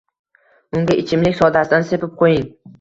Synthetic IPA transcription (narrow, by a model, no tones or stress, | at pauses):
ʊŋɡʲaʔɪt͡ʃʰɪmlɪkʲsɒd̪asɪd̪ansepɪp̚qʰojɪŋ